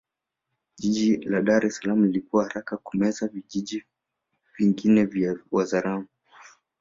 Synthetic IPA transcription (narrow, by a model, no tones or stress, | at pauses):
ʄiʄilaɗaɾɛsalamulilikuwahaɾakakumɛzaviʄiʄi | viŋɡinɛvjawazaɾamu